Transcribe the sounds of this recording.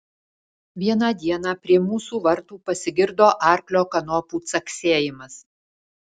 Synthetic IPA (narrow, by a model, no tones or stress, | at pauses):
ʋʲiɛnɐd̪ʲiɛnɑːpʲɾʲiɛmuːsuːʋɐɾt̪uːpɐsʲɪɡʲɪɾd̪oːʔɑˑɾʲklʲoːkɐnɔpuːt̪sɐkʲsʲeːjɪmɐs